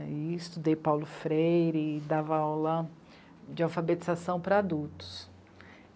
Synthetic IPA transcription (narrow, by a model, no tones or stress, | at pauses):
iist̪ud̪ejpawlʊfɾejɾɪd̪avɐawlɐ | d͡ʒɪawfabet͡ʃizasɐ̃w̃pɾɐad̪uwt̪ʊ̥s